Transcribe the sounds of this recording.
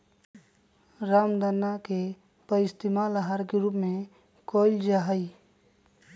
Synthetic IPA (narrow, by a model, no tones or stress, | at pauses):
ɾamd̪ənːake | pəɪst̪imaləɦaɾkeɾupmẽ | koːɪld͡ʒaɦəi